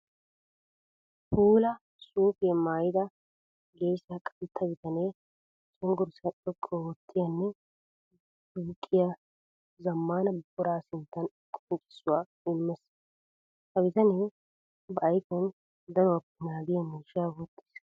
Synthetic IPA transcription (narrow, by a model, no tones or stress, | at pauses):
puːlɐ | suːfemaːjɪd̪ɐ | ɡeːʃɐkʼːɐlɪt̪ʰːɐɡɪt̪ɐneː | t͡ʃʼɔŋɡʊɾsɐtʼɔkʼːɔwɔt̪ʰːɪjɐnːɛ | d̪uːkʼːɪjɐ | zɐmːaːnɐbʊɾaːsɪnt̪ːɐn | kʼɔnt͡ʃʼɪ̥sːʊwaː | ɪmːɛs | hɐɡɪt̪ɐneː | bɐɐjkɔn | d̪ɐɾɔɐpːɪnaːɡɪjɐmʊʃaːwɔt̪ːɪ̥s